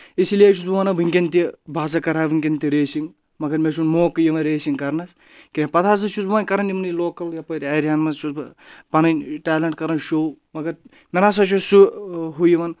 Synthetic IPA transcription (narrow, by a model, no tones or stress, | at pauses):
isiliet͡ʃʰusbuʋanɐʋɨŋʲkʲent̪ibʱaːzɐkɐɾaːʋɨŋʲkʲent̪iɾeːsiŋ | mɐɡɐɾmʲeʃ̬unmoːkɨjiʋɐɾeːsiŋkɐɾnɐs | kinʲepɐt̪ʰaːs̬ɐt͡ʃʰusbuʋaːnʲkɐɾɐnimɐniloːkɐljapɐɾɐːɾijaːnmɐst͡ʃʰusbpɐnɐnʈaːlɐɳʈkɐɾɐnʃowmɐɡɐɾ | mʲenas̬ɐt͡ʃʰusuɦujiʋɐn